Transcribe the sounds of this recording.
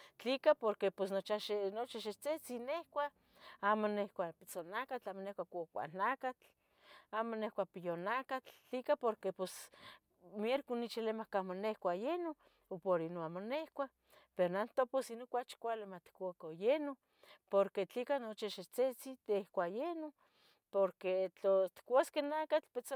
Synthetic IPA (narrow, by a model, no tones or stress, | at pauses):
t͡ɬikapoɾkeposnot͡ʃaʃenot͡ʃaʃet͡set͡sinehkʷa | amonehkʷapit͡sonakat͡ɬaːmonehkʷakʷkʷa̰nakat͡ɬ | aːmonehkʷapijonakat͡ɬt͡ɬikapoɾkepos | mjeɾkunit͡ʃilemakamonehkʷajeno | opoɾinoamonehkʷa | peɾonant̪oposinokʷat͡ʃkʷalemat̪i̥kʷakojeno | poɾket͡ɬikanot͡ʃiʃet͡set͡sit̪ehkʷajeno | poɾket͡ɬot̪i̥kʷaskenakat͡ɬpet͡so